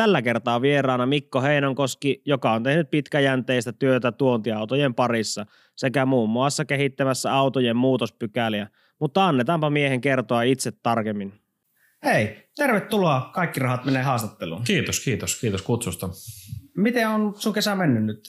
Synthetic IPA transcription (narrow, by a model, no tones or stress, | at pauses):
t̪ælːækert̪ɑːʋierˑɑˑːnɑmikːoheˑinɑŋkoskijokɑont̪ehnyt̪̚pit̪kæjænt̪eist̪æt̪yøt̪æt̪uont̪iɑut̪ojempɑrisːɑ | sekæmuːmːuɑsːɑkehit̪ːæmæsːæɑut̪ojemmuːt̪ospykæliæ | mut̪ːɑɑnːet̪ɑmpɑmieheŋkert̪oɑit̪set̪ːɑrkemːin | heˑit̪erʋet̪t̪uloɑːˑkɑˑikːirɑhɑt̪meneːhɑːst̪ɑt̪ːelṵːnkiːt̪oskiːt̪oskiːt̪oskut̪sust̪ɑ | mit̪eonsuŋkesæmenːynnyt̪